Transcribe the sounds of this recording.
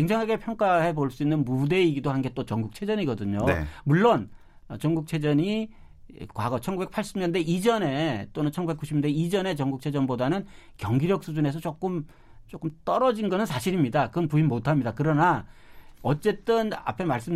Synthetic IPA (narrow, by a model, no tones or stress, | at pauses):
keŋd͡ʑaŋɦaɡe̞pʰjʌŋk͈aɦe̞boɭs͈uinːɯnmude̞iɡidohanɡe̞t͈ot͡ɕʌŋɡuk̚t͡ɕʰe̞d͡ʑʌɲiɡʌdɯɲo̰muɭːon | t͡ɕʌŋɡuk̚t͡ɕʰe̞d͡ʑʌɲi | kwaɡʌt͡ɕʰʌnɡube̞k̚pʰaɭɕ͈imɲʌnde̞ʔid͡ʑʌne̞t͈onɯnt͡ɕʰʌnɡubek͈uɕʰimɲndeid͡ʑʌne̞t͡ɕʌŋɡuk̚t͡ɕʰe̞d͡ʑʌnbodanɯnkjʌŋɡiɾjʌk̚s͈ud͡ʑune̞s̬ʰʌt͡ɕ͈ok͈ɯm | t͡ɕ͈ok͈ɯmt͈ʌɾʌd͡ʑinɡʌnɯnsʰaɕʰiɾimɲidakɯʌnpuinmotʰamɲidakɯɾʌna | ʌt͡ɕ͈e̞t͈ɯna̰pʰemaɭs͈ɯm